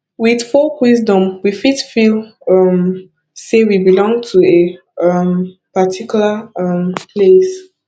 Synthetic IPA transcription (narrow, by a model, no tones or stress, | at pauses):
wið̥fɔwizdɔ̃mwifitfilʌm | sewibilɔ̃ŋtʰue | ampatʰikjulampʰles